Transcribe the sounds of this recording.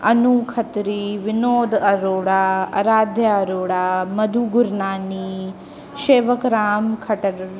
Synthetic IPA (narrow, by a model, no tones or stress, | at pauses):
ɐnukʰɐt̪ɾiːʋɪnoːd̪ɐɾoːɽaːɐ̰ɾaːd̪ʱjɐɐɾoːɽaːmɐd̪ʱuɡʊɾnaːniː | ʃeːʋəkɾaːmkʰɐʈɐɾ